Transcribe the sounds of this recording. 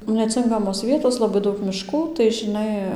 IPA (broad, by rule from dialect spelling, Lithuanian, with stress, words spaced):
nʲɛˈt͡sʲɪŋkɐmoːs ˈʋʲiɛtoːs lˠɐˈbɐɪ ˈdɐʊk mʲɪˈʃkuː tɐɪ ʒʲɪˈnɐɪ